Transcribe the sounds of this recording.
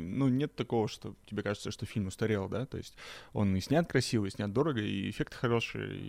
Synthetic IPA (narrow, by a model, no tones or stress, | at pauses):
nunʲe̞t̪ːɐko̞vəʂt̪o̞̰tʲɪbʲe̞kaʐɨt̪səʂt̪o̞fʲilʲmʊst̪ɐɾʲe̞lˠd̪at̪o̞̰ɪsʲtʲo̞̰nɨsʲnʲat̪̚kɾɐsʲivəɪsʲnʲat̪̚d̪o̞ɾəɡəḭɪ̰fʲe̞kt̪ɨ̥xɐɾo̞ʂɨ̰ə̰